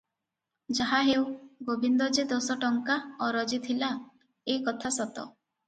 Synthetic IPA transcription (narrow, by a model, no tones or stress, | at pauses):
d͡ʒaɦaɦewɡobʱind̪ɔd͡ʒed̪ɔsɔʈɔŋkaɔɾɔd͡ʒit̪ʰila | ekɔt̪ʰasɔt̪ɔ̰